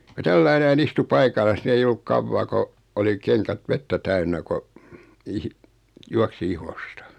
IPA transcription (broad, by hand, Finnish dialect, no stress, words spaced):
ko tælːæi næin istu pɑikɑlːɑs ni ei olːuk kɑʋːɑː ko oli keŋkæt ʋetːæ tæynːæ ko ihi juɑksi ihostɑ̥